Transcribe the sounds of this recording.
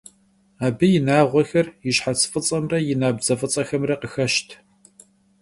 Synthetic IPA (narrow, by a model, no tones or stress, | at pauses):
aːbɨjɪnaːʁʷɔxɐrjɪɕħat͡sʰfʼɨt͡sʼɐmrɐjɪnaːbzɐfʼɨt͡sʼɐxɐmrɐqəxɐʃtʰ